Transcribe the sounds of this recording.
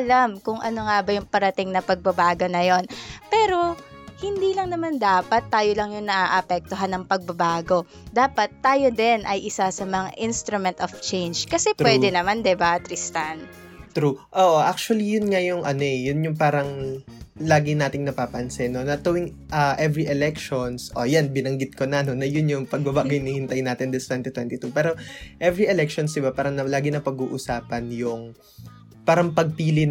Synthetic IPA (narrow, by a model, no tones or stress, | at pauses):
ʔɐlamkʊŋʔɐ̰no̞ŋaːbɐjʊŋpɐɾɐt̪ɪŋnɐpɐɡ̚bɐbaːɡo̞nɐjo̞npɛːɾo̞ | hɪnd̪ilɐŋnɐmand̪aːpɐt̪ːaːjolɐŋjʊŋnɐʔaʔɐpɛk̚t̪oɦanːɐŋpɐɡ̚bɐbaːɡo̞ | d̪aːpɐt̪ːaːjo̞d̪ɛnʔɐjʔɪsasɐmɐŋa̰ʔinst̪ɾʊmɛnt̪oft͡ʃɛjnd͡ʒkɐsɛpwɛːd̪ɛnɐmand̪ɛbat̪ɾɪst̪ɐn | t̪ɾuʔoːʔoʔak̚t͡ʃʊwɐlijʊnŋajʊŋʔɐno̞ʔɛjʊnjʊŋpaːɾɐŋ | laːɡɪnaːt̪ɪŋnɐpaːpɐnsɛno̞nɐt̪ɐwɪŋ | ʔɐʔɛvɾiʔɛlɛk̚ʃonsʔo̞janbɪnɐŋɡɪt̪̚konɐnonɐjʊnjʊŋpɐɡ̚bɐbaːɡɐjnɪhɪnt̪ɐjnaːt̪ɪnd̪ɪst̪wɛnt̪ɪt̪wɛnt̪ɪt̪upɛːɾo̞ʔɛvɾiʔɛlɛk̚ʃonsd̪ɪbapaːɾɐŋnɐlaːɡɪnɐpɐɡuːʔʊsaːpɐnjʊŋ | paːɾɐŋpɐɡ̚piːlɪn